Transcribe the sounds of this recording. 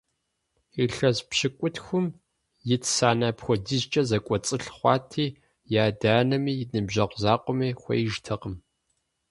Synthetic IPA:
iɬɐzpɕɨkʷʼʊtʰxʷʊm | jɪtʰsaːnaːpxʷɔdizt͡ʃʼɐzɐkʷʼɔt͡sʼɨɬχʷɑːtʰiː | jaːdaːnɐmiːjnɨbʒɐqʷzaːqʷʼʊmiːxʷɔ̰jɪʒtʰɐqəm

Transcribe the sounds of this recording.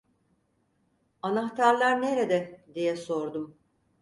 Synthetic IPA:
anaxt̪ʰaɾlˠaɾneɾed̪ɛd̪ijɛso̞ɾd̪um

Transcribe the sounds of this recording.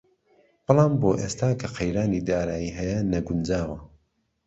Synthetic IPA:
b̥ɨlˠɑːmboːʔeːst̪aːkʰɐqʰɐjɾaːniːd̪aːɾaːjiːɦɐjɐnɐɡʊnd͡ʒaːwɐ

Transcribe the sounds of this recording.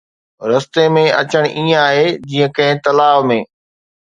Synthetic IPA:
ɾɐst̪emẽɐt͡ɕəɽ̃ʔĩːaːɦeːd͡ʑiːə̃kɐ̃ɦɪ̃t̪ɐlaːʋmẽː

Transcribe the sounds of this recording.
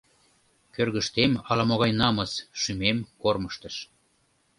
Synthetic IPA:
kørɣəʃt̪emɑlɑmoɣɑjnɑməsʃymemkorməʃt̪əʃ

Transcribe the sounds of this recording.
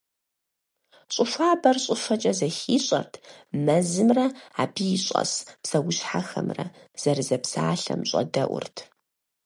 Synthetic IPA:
ɕʼʊfaːbɐrɕʼʊfɐt͡ʃʼɐzɐxiːɕʼɐ̰rtʰmɐzɨmrɐaːbijɪɕʼɐ̰spsɐwʊɕħaxɐ̰mrɐ | z̥ɐrɨzɐpsaːɬɐ̰mɕʼɐ̰dɐʔʷʊ̰rtʰ

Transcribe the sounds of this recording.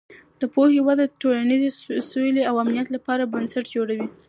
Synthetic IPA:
d̪̥əpohewɑd̪əʈolanizesojleawamnijat̪lapɑɾabansaʈd͡ʒoɽawi

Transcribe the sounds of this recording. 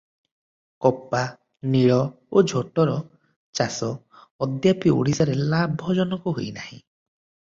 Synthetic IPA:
kɔpa | niɭɔ | od͡ʒʱoʈɔɾɔ | t͡ʃasɔː | d̪japio̰ɽisaɾelabʱɔd͡ʒɔnɔkuɦojnahḭ̃

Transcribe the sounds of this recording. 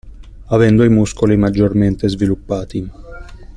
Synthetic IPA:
avɛnd̪oimuskolimad͡ʒːorment̪ezvilupːaːt̪i

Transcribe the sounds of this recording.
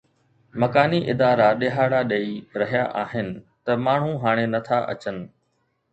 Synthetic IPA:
mɐkaːniʔɪd̪aːɾaɗeɦaːɽaɗɐiɾɐɦijaʔaːɦɪnɪ̆ | t̪ɐmaːɳ̤ũɦaːɽ̃enɐt̪ʰaʔɐ̰t͡ɕənɪ̆

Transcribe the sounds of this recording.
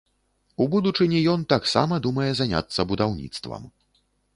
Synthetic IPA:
ubud̪ut͡ʂɨnʲijɔnt̪aksa̰mɐd̪umɐjɛzanʲa̰t̪sːɐbud̪awnʲḭt̪st̪vɐ̰m

